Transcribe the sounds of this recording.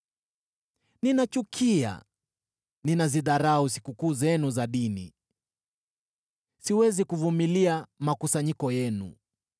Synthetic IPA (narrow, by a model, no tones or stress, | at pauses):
ninat͡ʃukʰia̰ | ninaziðaɾausi̥kukuːzɛnuzaɗinḭ | siwɛzikuvumiliamakusaɲikɔjɛnṵ